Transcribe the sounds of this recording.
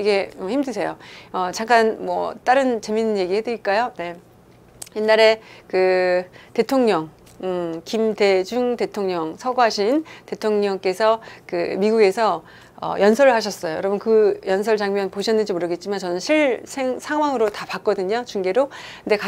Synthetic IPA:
iɡe̞çimdɯsʰe̞joʌt͡ɕaŋk͈anmwʌt͈aɾɯnt͡ɕe̞minːɯnje̞ɡihe̞dɯik͈ajone̞ | jenːaɾe̞kɯte̞tʰoŋɲʌŋ | ɯkimde̞d͡ʑuŋte̞tʰoŋɲʌŋsʰʌɡoɦaɕʰinte̞tʰoŋɲʌŋk͈e̞sʰʌkɯmiɡuɡe̞sʰʌ | ʌ̰jʌnsʰʌɾɯɭɦaɕ̬ʰʌs͈ʌjo̰jʌɾʌbʌnkɯjʌnsʰʌɭt͡ɕaŋmjʌnpoɕʰʌnːɯnd͡ʑimoɾɯɡe̞t̚t͡ɕ͈imant͡ɕʌnɯnɕʰiɭsʰeŋsʰaŋwaŋɯɾotapak̚k͈ʌdɯɲot͡ɕuŋɡe̞ɾokɯnde̞ka

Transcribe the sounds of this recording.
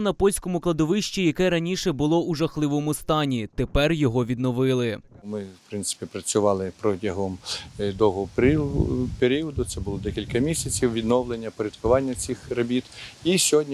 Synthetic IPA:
nɐpɔlʲsʲkɔmʊklˠɐd̪ɔʋɪʃt͡ʃʲijɐkɛɾɐnʲiʃɛbʊlˠɔuʒɐxlˠɪʋɔmʊst̪ɑnʲit̪epɛrjɔɦɔʋʲid̪nɔʋɪlˠɪmɪwpɾɪnt̪ɪ̥pʲipɾɐt͡sʲʊʋɑlˠɪpɾɔtʲɐɦɔmd̪ɔɦɔp | peɾʲiɔd̪ʊt̪sɛbʊlˠɔd̪ɛkʲilʲkɐmʲisʲɐt͡sʲiwʋʲid̪nɔʋlenʲːɐpɔɾʲɐd̪kʊʋɑnʲːɐt͡sʲixɾɐbʲit̪isʲɔɦɔdʲnʲi

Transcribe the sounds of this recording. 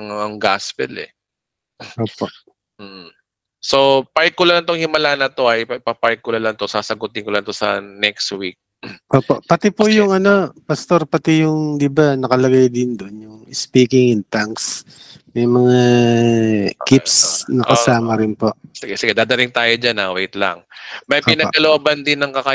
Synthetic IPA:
ɐŋɐŋɡaspɛlɛ̰ | ʔoːpo̞ʔ | m̩ː | sopaɹkːʊlɐlɐŋt̪oŋhɪmɐlaːnɐt̪o̞ʔɐjpɐpaɹkʊlɐlɐŋt̪osaːsɐɡʊt̪ɪŋkolɐŋt̪osɐ̰nɛkst̪wik̚ | ʔoːpo̞ʔpɐt̪ɛpʊjʊŋɐno̞pɐst̪o̞ɾpɐt̪ɛjʊŋd̪ɪbanɐkɐlɐɡajd̪ɪnd̪oʔonjʊŋɪspiːkɪŋɪnt̪aŋks | mɛjmɐŋa | kɪpsnɐʔkɐsaːmɐɾɪnpo̞ʔsɪɡɛsɪɡɛd̪aːd̪ɐt̪ɪŋt̪aːjod͡ʒanawejt̪lɐ̰ŋmɐjʔɪnɐ̰ʔkɐloʔabɐnd̪ɪnːɐŋkɐka

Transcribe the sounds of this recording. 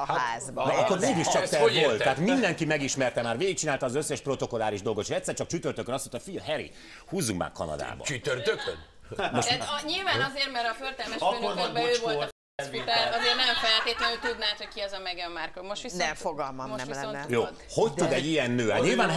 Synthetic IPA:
aːzbd̪ɛɒkːoɾveːɡiʃt͡ʃɒkt̪ɛvolt̪ːɛaːt̪mind̪ɛŋkimɛɡiʃmɛrt̪ɛmaːrʋeːɡik̚t͡ʃinaːlt̪ɒːzøsːɛʃpro̞t̪o̞ko̞laːɾiʒd̪o̞lɡot̪eʃɛc̪ʲsːɛrt͡ʃɒk̚t͡ʃyt̪ørt̪økːønɒst̪ot̪ɒfijɦɛɾḭ | huːzːuŋkma̰ːkɒ̰nɒ̰d̪a̰ːbɒ̰t͡ʃyt̪ørt̪øk̪ | moʃd̪t̪ɲilvaːɒzeːrmɛɾɒført̪ɛlmɛʃønebɛøːvol | ut̪aːɾɒzeːrnɛmfɛlt̪eːt̪lɛnøːt̪ud̪naːt̪ho̞ckiɛzɒmɛɡɛmːarkolmoʃt̪ʋisɛfoɡɒlmɒmoʃʋisonjoː | ho̞ct̪ud̪ɛɟijɛnːøːaːɲilvaːn

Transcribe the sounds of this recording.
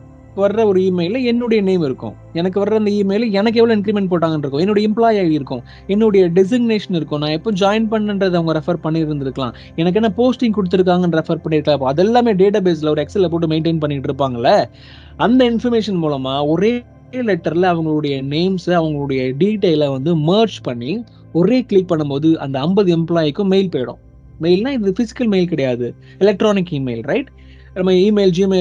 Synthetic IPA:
kːɯʋɐɾɾɐɔɾɯiːmɐɪlɐɛnːɯɽɐjɐneːmɪɾɯkːʊ̰̃ | ɛnɐk̬ːɯʋɐɾɯɾɐnd̪ɐiːmɐjlɛnɐk̬ːɛʋɐɭõɪnk̬ɾimɛɳʈ̚poːʈːaːŋɡɐnɪɾɯkːʊ̃ɛnːɔɽɐjɐɪmplaːjaːɪɾɯkːʊ̃ | ɛnːɯɽɐjɐɖɪs̬ɪɡneːʂɐnɪɾɯkːʊ̃nːaːɪpːõːd͡ʒaːjɪnpɐɳːɐnɖɾɐðɯɐʋɐŋɡɐɾɛfɐɾpɐɳːɪɾɯnd̪ɪɾɯkːɐlã̰ː | ɛnɐk̬ːɛnːaːpoːsʈɪ̃ŋkɔɽɯt̪ːɯɾɯk̬ːaːŋɡɐnɾɛfɐɾpɐɳːɪɾɯkːɐlãːɪpːoːɐðɛlːaːmeːɖeːʈ̬aːbeːs̬lɐɔɾɯɛksɛlːpoːʈ̬ːɯmeɪɳʈeːnpɐɳːɪʈːɪɾɯp̬ːaːŋɡɐlːɐ | ɐnd̪ɐɪnfɐɾmeːʂɐnmuːlɐmaːɔɾeː | lɛʈːɐɾlɐɐʋɐŋɡɐɭɯɽɐjɐneːmsɐʋɐŋɡɐɭɯɽɐjɐɖiːʈeːlɐʋɐnd̪ɯmɐːɾt͡ʃpɐɳːi | ɔɾeːkɭɪk̚pɐɳːɯmpoːðɯʔɐ̰nd̪ɐɐmbɐðɯɛmplaːjɪkːɯ̃meɪlpeːɽʊ̰̃ | meɪlnãːɪðɯfɪsɪ̥kːɐlmeɪlk̬ɐɽɐjaːðɯ | ɪlɛk̚ʈɾoːnɪk̬ːiːmeɪlɾɐɪʈ | lɐmaːiːmeːld͡ʒiːmeː

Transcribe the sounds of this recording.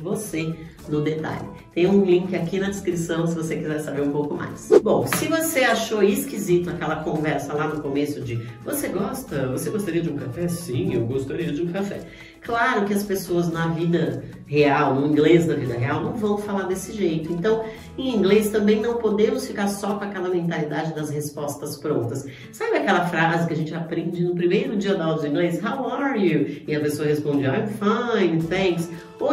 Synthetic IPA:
vose | nʊd̪et̪a̰ʎɪ | t̪ẽj̃ũlĩŋkɪakinɐd͡ʒɪskɾisɐ̃w̃sɪvosekizɛɾsabeɾũpowkʊma̰jsbõw̃sɪvoseaʃoiskizit̪ʊakɛlɐkõvɛɾsɐlanʊkomesʊd͡ʒɪvoseɡɔst̪ɐvoseɡost̪aɾiɐd͡ʒɪũkafɛsĩewɡost̪aɾiɐd͡ʒɪũkafɛ̰ | klaɾʊkɪɐspesoɐznɐvid̪ɐ | heawnʊĩŋɡlesnɐvid̪ɐɦeawnɐ̃w̃vɐ̃w̃falaɾd̪esɪʒejt̪ʊẽnt̪ɐ̃w̃ | ẽĩŋɡlest̪ɐ̃mbẽj̃nɐ̃w̃pod̪ẽmʊsfikaɾsɔkõakɛlɐmẽnt̪alid̪ad͡ʒɪd̪ɐzhespɔst̪ɐspɾõnt̪ɐs | sabɪakɛlɐfɾazɪkɪɐʒẽnt͡ʃɪapɾẽnd͡ʒɪnʊpɾimejɾʊd͡ʒiɐd̪awd̪ʊzĩɡlezɪshawaɾjuɪɐpesoɐɦespõd͡ʒɪajmfaj̃θẽs | o

